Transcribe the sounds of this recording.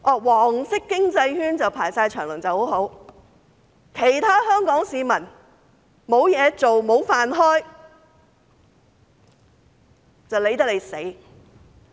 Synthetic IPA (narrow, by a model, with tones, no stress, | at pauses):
ʔɔː˨˧˩wɔː˨˩ŋsɪ˥kːɪ˥ŋt͡sɐ˧jhyː˥nt͡sɐ˨wpʰaː˨˩jsaː˧jt͡ʃʰœː˨˩ŋlɐ̰˨˩t͡sɐ˨who˨˥wɦo˨˥w | kʰe˨˩jt̪ʰaː˥hœː˥ŋkɔː˨˥ŋsiː˨˧mɐ˨˩n | mo˨˧wjɛː˨˧t͡so˨wmo˨˧˥wfaː˨nɦɔː˥j | t͡sɐ˨wle˨˥jt̪ɐ˥k̚le˨˧jse˨˥j